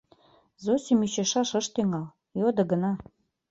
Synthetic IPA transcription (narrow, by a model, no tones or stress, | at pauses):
zosʲimyɕĕʃɑʃɤ̆ʃt̪eŋɑl | jod̪ɤ̆ɡə̆nɑ